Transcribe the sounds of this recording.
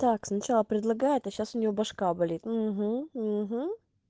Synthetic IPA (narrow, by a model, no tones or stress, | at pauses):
t̪aksnɐt͡ɕalˠəpɾʲɪd̪lˠɐɡajɪt̪ɐɕːasʊnʲɪvʲobɐʂkabɐlʲit̪m̩ɦm̩ɦ̩